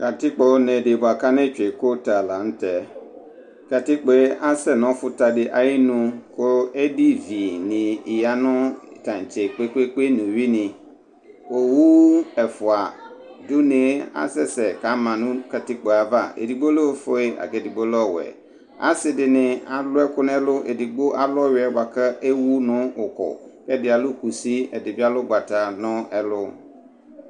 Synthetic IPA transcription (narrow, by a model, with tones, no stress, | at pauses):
ka˨tɪ˦k͡pɔ˨˦nɛ̃˨de˨bʊ˨a˨ka˦nɛ˦t͡ʃᶣe˨ko˦ta˨la˨n̩˦tɛ˨ | ka˨tɪ˦k͡pe˨˦a˦sɛ˦nɔ̃˨˦fʊ˦ta˨dɪ˨ʔa˨jɪ˦nũ˦ko˦e˦di˦vi˨nɪ̃˨ɪ˨ja˦nʊ̃˦˨tã˨n˨t͡ʃe˨k͡pe˦ke˦ke˦nũ˨wi˦nɪ̃˨ | o˨wu˦ɛ˨fʊ˨a˨du˦ne˨˦a̰˦sɛ˦sɛ˨ka˨˦mã˨nʊ̃˦ka˨tɪ˦k͡pa˨a˨va˦˨ḛ˨di˨ɡ͡bo˦lo˦˨˦fo˦e˦a̰˨kɛ˨di˨ɡ͡bo˦lɔ˦˨wɛ̰˨ | a̰˦sɪ˨dɪ˨nɪ̃˨a˨lʊ˦ɛ˦kʊ˦n˦ɛ˦lʊ˦ʔe˨di˨ɡ͡bo˦ʔa˦lɔ˦ɥɪ˨ɛ˦ba˨ka˦e˦wu˦nʊ̃˦ʊ˨kɔ̰˨kɛ˦dɪ˨a˨lʊ˦ku˨si˦ɛ˨dɪ˨bi˦a˦lʊ˦ɡ͡ba˨ta˨nʊ̃˦ɛ˦lʊ˦